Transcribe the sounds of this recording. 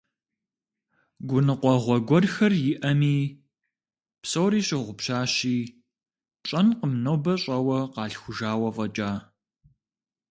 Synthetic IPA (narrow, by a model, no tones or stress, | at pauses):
ɡʷʊnɨqʷɔʁʷɔɡʷɔrxɐrjɪʔɐmiː | psowɾiːɕʼɪʁʷʊpɕaːɕiː | t͡ʃʼɐnqəmnɐwbɐɕʼɐwɐqɑːɬxʷʊʒaːwɐvɐt͡ʃʼaː